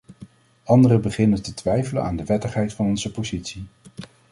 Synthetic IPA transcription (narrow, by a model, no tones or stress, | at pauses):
ɑndərəbəχɪnətətʋɛjvələ̰na̰ːndəʋɛtəχɦɛjtfɑnɔnzəpozitsi